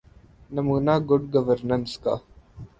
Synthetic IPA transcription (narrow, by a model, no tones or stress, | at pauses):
nɐmuːnaːɡʊɖɡɐʋəɾnənska̰